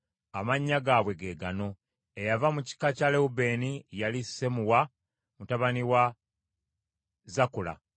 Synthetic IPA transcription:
amaɲːaɡaːβwe̞ɡe̞ːɡano̞ | ejavamuci̥kacaleube̞nijalisemuwa | mutaβaniwa | zakula̰

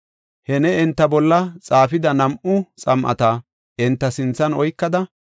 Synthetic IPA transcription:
hɛnɛɛnt̪ːɐbɔlːɐt͡sʼaːfɪd̪ɐnɐmʔʊt͡sʼɐmʔɐ̰t̪ɐ | ɪnt̪ːɐsɪnt͡sːɐnɔjkːɐd̪ɐ

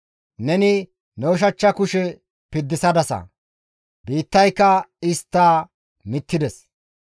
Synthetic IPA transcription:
nɛnɪ | nɛwɔʃ̬ɐt͡ʃːɐkʊʃɛ | pɪd̪ːɪsɐd̪ɐsɐ̰ | biːt̪ːɐjkːɐɪst̪ːaː | mɪt̪ːɪd̪ɛs

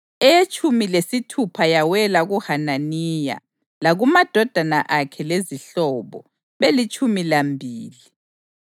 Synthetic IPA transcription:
ɛjet͡ʃʼumilesitʰupʰajawɛlaɣuhananija̰ | laɣumad̥ʱɔd̥ʱanaʔakʰɛleziɬɔβɔ̰ | βelit͡ʃʼʰumilambʱiːli

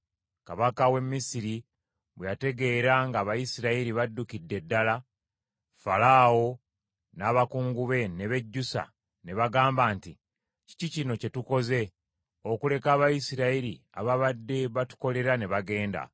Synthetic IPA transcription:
kaβakawe̞mːisiɾi | βwejate̞ɡe̞ːɾaŋɡaːβajisiɾaiɾiβadːukidːe̞dːala | falaːwo̞ | naːβakuːŋɡuβe̞ne̞βe̞ɟːusa̰ | ne̞βaɡaːmbaːnti | ci̥cicino̞ce̞tuko̞ze̞ | o̞kule̞kaːβajisiɾaiɾi | a̰βaβadːe̞βatu̥ko̞le̞ɾane̞βaɡe̞ːnda̰

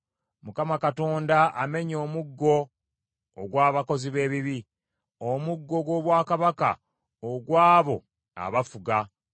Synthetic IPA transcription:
mukamakato̞ːndaʔame̞ɲo̞ːmuɡːo̞̰ː | ɡwaːβako̞ziβe̞ːβiβi | omuɡːo̞ɡwo̞ːβwaːkaβaka̰ | oɡwaːβo̞̰ | a̰βafuɡa

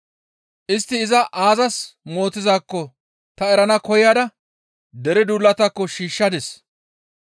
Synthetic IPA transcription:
ʔɪst̪ːɪːzɐʔaːzɐsmo̞ːt̪ːɪzaːkːɔ | t̪ɐɛɾɐnɐkɔjad̪ɐ | d̪ɛɾɪd̪uːlːɐt̪ɐkːɔʃiːʃːɐd̪ɛs

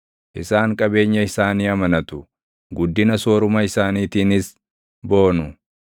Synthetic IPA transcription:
ʔɪsaːŋkʼɐbe̞ːɲːɐɪsaːniːɐmɐnɐt̪ʊ̥ | ɡʊd̪ːɪnɐsoːɾʊmɐɪsaːniːt̪iːnɪs | bo̞ːnʊ

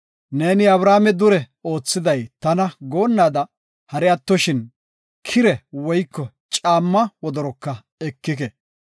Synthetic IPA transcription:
ne̞ːnɪɐβɾaːmɛd̪ʊɾɛ | o̞ːt͡sːɪd̪ɐjt̪ɐnɐɡo̞ːnːaːd̪ɐ | hɐɾɛɐt̪ːɔʃɪn | kʰɪɾɛwɔjkːɔ | t͡ʃʼaːmːɐwɔd̪ɔɾɔkːɐ | ɛkːɪk̬ɛ

